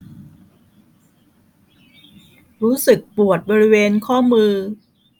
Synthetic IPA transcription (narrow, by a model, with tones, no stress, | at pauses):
ɾuː˦˥sɯ˨˩k̚pu˨˩ət̪̚bɔː˧ɾi˦˥weː˧nkʰɔː˥˩mɯː˧